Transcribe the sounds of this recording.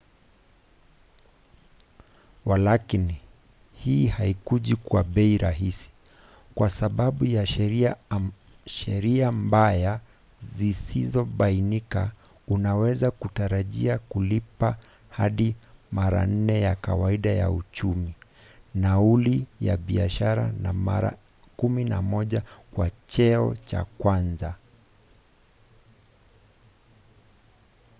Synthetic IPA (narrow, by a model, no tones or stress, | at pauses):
walakini | hiːhaikuʄikwaɓɛiɾaɦisi̥ | kwasaɓaɓujaʃɛɾia | ʃɛɾiambaja | zisizɔɓainika | unawɛzakutaɾaʄiakulipa | haɗimaɾa̰n̩nɛjaka̰waiɗaja̰ut͡ʃumi | naulija̰ɓiaʃaɾa̰nama̰ɾa̰ | kuminamɔʄakwat͡ʃɛɔ̰t͡ʃa̰kwanza